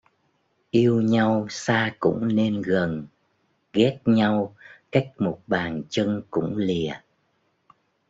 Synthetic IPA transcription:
ʔi˧əwɲa˧wsaː˧kʊ̰˧˥ŋ͡mne˧nɣə˨˩n | ɣɛ˦˥t̚ɲa˧wka˦˥jk̟̚mo˨˩t̚ɓaː˨˩nt͡ɕə˧ŋkʊ̰˧˥ŋ͡mli˨˩ə

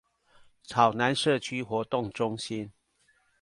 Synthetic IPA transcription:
t͡sʰɑ˨˩ʊna˨˦nʂɤ˥˨t͡ɕʰy˦xwɔ˧˥t̪ʊ˥˨ŋʈ͡ʂʊ˦ŋɕi˦˥n

